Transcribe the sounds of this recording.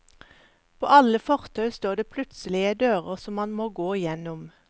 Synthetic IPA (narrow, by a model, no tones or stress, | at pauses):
pʰo̰ːʔɑləfɔʁt̪ʰœʉst̪oːd̪eːpʰlʉt̪səlɪəd̪øːʁə̰ʁsɔmːɑnmoːɡoːɪjɛnʊm